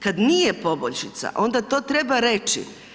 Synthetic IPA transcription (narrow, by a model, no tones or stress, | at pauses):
kad̪nije̞po̞boʎʃit̪sa̰ʔo̞nd̪at̪o̞ːt̪ɾe̞baɾe̞t͡ʃḭ